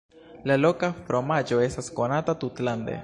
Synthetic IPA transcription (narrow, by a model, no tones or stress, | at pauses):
lalo̞kafɾo̞mad͡ʒo̞e̞stasko̞natatutlandḛ